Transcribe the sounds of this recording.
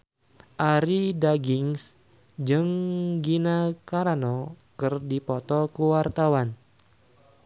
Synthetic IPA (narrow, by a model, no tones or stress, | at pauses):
ʔaɾidaɡiŋs | d͡ʒɨŋɡinakaɾanɔkɨrdipɔt̪ɔkuwart̪awan